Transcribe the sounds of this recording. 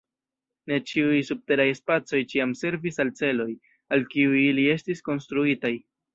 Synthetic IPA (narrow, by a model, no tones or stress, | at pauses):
ne̞t͡ʃiujsub̚te̞ɾajespat͡so̞jt͡ʃiamse̞ɾvisalt͡se̞lo̞j | alkiujilie̞stisko̞nstɾuitaj